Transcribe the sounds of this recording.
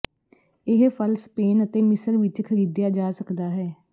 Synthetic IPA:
ɪɦpʰəlspeːnət̪eːmɪsəɾʋɪt͡ʃkʰəɾiːd̪ɪjaːd͡ʒaːsəkd̪aːɦɛː

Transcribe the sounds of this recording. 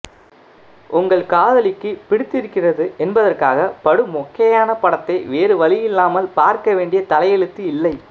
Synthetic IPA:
ʔʊŋɡɐɭkaːðɐlɪkːɯpɪɽɪt̪ːɪɾɯkːɪrɐðɯʔɛnbɐðɐrkaːɣɐpɐɽɯmɔkːɐjaːnɐpɐɽɐt̪ːɐɪʋeːrɯʋɐlɪjɪlːaːmɐlpaːɾkɐʋeːɳɖɪjɐt̪ɐlɐjɛɻɯt̪ːɯɪlːɐɪ

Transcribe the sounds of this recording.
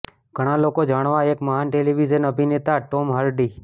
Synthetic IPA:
ɡʱəɽ̃alokod͡ʒaːɽ̃ʋãeːkməɦaːnʈeːliʋid͡ʒənəbʱinet̪aʈoːmɦəɾɖiː

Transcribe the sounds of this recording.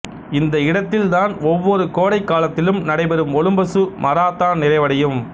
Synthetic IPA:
ɪnd̪ɐɪɽɐt̪ːɪlt̪aːnɔʋːɔɾɯkoːɽɐɪkːaːlɐt̪ːɪlɯmnɐɽɐɪbɐɾɯmɔlɯmbɐsɯmɐɾaːt̪ːaːnɪrɐɪʋɐɽɐjɯm

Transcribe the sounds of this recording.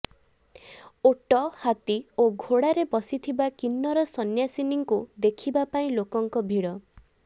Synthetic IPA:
oʈɔhat̪ioɡʱoɽaɾebɔsit̪ʰibakinːɔɾɔsɔnjasiniŋkud̪ekʰibapaĩlokɔŋkɔbʱiɽɔ

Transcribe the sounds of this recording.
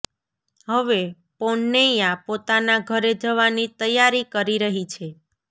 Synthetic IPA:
ɦəʋe | poɳːejãpot̪anaɡʱəɾed͡ʒəʋanit̪əjaɾikəɾiɾəɦit͡ʃʰe

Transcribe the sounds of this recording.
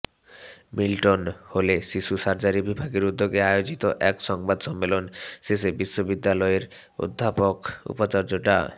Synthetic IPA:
milʈonholeʃiʃusaɾd͡ʑaɾibibʱaɡeɾud̪ːoɡeajod͡ʑit̪oʔɛkʃɔŋbad̪ʃɔmːelonsisebiʃːobid̪ːalɔeɾ | o̰d̪ʱːapokṵpat͡ɕoɾd͡ʑoʈa̰

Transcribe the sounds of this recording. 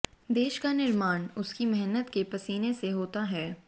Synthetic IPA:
d̪eːʃkanɪɾmaːnʊskimɛɦnət̪kepɐsiːneseɦoːt̪aɦɛː

